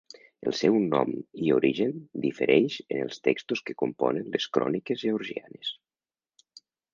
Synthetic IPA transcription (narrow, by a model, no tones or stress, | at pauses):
əlˠsɛwnɔmiuɾiʒənd̪ifəɾʔɛʃənəlˠst̪ɛkst̪uskəkumpɔ̰nənleskɾɔ̰nikezʒeuɾʒia̰nes